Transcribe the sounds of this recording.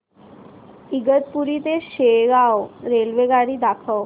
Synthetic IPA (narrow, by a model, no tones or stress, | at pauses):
iɡət̪̚puɾit̪eɕeɡawɾelʋeɡaɽiːd̪akʰəw